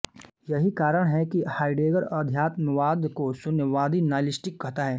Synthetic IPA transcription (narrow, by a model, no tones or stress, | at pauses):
jɐɦikaːɾəɽ̃ɦɛkihaːɪɖeːɡəɾɐd̪ʱjaːt̪mɪʋaːd̪kosʊnjəʋaːd̪inaːlɪsʈɪkːɐɦt̪aɦɛː